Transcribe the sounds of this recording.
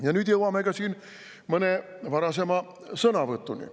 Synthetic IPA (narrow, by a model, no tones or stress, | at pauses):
jɑnyt̪jeʋuɑmekæsiːn | məneˑ | ʋɑɾɑsemɑ | sɤnɑʋət̪ːunḭ